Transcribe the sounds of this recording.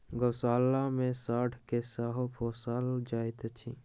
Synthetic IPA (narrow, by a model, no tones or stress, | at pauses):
ɡəsaːlamẽsaːʈʰkesaːɦopʰoːsaːld͡ʒaːit̪ət͡ʃʰḭ